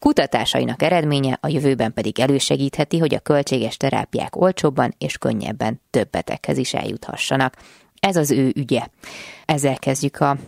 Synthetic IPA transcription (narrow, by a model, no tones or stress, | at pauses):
kut̪ɒt̪aːʃɒ̰jḭnɒkɛɾɛd̪meːɲɛʔɒjøvøːbɛmpɛd̪iɡɛløːʃɛɡiːt̪hɛt̪iɦo̞ɟɒ̰kø̞lt͡ʃeːɡɛʃt̪ɛɾa̰ːpija̰ːko̞lt͡ʃoːbːɒneːʃkø̰ɲːɛ̰bːɛnt̪øbːɛt̪ɛ̰khɛziʃɛ̰ljṵt̪hɒ̰ʃːɒnɒk | ɛzɒzøːʔyɟɛɛzːɛlkɛzɟykʰɒ